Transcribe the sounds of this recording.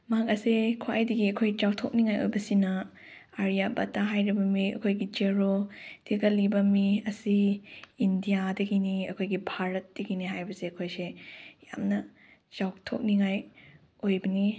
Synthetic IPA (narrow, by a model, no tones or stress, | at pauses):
maɦakɐsekʰwa̰jdiɡiɐkʰojt͡ʃawtʰok̚niŋajo̰jbɐsinɐ | aɾijabɐtaɦajɾibɐmiɐ̰kʰojɡid͡ʒeɾod̥iɡɐlibɐmiɐsiː | ndijadɐɡiniɐkʰojɡibʱaɾɐt̚d̥ɐɡiniɦajbɐseɐkʰojseja̰mnɐ | t͡ʃawtʰok̚niŋaj | ojbɐni